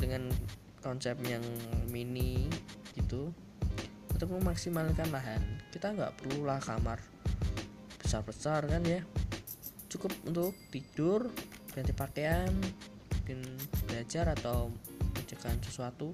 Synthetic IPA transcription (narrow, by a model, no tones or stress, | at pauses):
dəŋan | kɔnsɛp̚jaŋminiɡ̥it̪u | at̪akmaksimalkanlaɦankit̪aŋɡa̰ʔpərlulahkamar | b̥ə̥sarb̥əsarkanja | t͡ʃukʊp̚ṵnt̪ʊʔkt̪id̥ʊrɡ̥ant̪ipakean | mukɪnb̥əlad͡ʒaɾat̪awmət͡ʃəkansəsuat̪u